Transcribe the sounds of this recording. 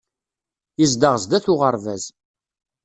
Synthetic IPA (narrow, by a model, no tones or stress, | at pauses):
izd̪əʁəzd̪æθʊʁəɾˤvæz